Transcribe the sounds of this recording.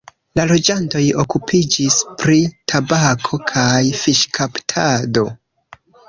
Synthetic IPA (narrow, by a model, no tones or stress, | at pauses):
lalo̞d͡ʒanto̞jo̞kupʰid͡ʒispɾitʰabakʰo̞kʰajfiʃkʰaptʰado̞